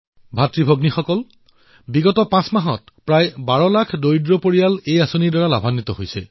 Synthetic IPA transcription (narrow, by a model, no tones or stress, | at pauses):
bʱatɹibʱoɡnixɔkɔl | biɡɔtɔpãsmaɦɔt̚ | pɹajbaɹɔlakʰdojdɹɔpoɹijalejasoniɹdɔɹalabʱanːitɔɦojsɛ̰